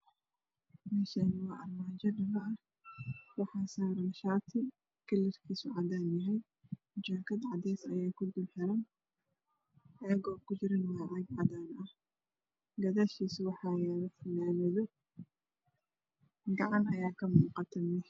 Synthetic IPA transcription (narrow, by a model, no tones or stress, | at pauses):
mɛːʃanɪwɑʔɐrmaːd͡ʒɐnɐmɐʔɐh | wɑħɑːsaːɾɐnʃaːt̪ʰɪ | kʰɐlɪrkʰiːsʊʕɑdaːnjɐɦɛj | d͡ʒaːkʰɐd̪ʕɑd̪ɛːsɐjaːkʰʊd̪ʊlħɛɾɐn | ɛːɡɔːkʰʊd͡ʒɪɾɪnwɑːʕɛɡʕɑd̪aːnɐh | ɡɐðaʃiːswɑħɑːjɛːðɐfɐnaːmɛðɔ | ɡɑʕɑnɐjaːkʰɐmuːqɑt̪ʰɐmɛ